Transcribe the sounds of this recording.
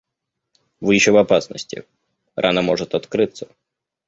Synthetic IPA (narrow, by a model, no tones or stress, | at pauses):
vɨjɪɕːovɐpasnə̰sʲtʲɪ̰ | rʔa̰nɐmɔʐɨt̪ɐt̪kɾɨt̪sə